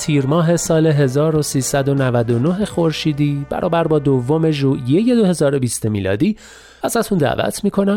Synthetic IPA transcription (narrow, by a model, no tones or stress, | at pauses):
t̪ʰiːɾmɒːɦe̞sɒːle̞ɦe̞zɒːɾo̞siːsæd̪o̞nævæd̪o̞no̞ɦe̞xo̞ɾʃiːd̪iːbæ̰ɾʔɒ̰ːbæɾbɒːd̪ovːo̞me̞ʒuːʔjeje̞d̪ohe̞zɒːɾo̞biːst̪emiːlɒ̰ːd̪iː | æzæt̪ʰund̪æ̰ːvæ̰t̪ʰmiːkʰo̞næm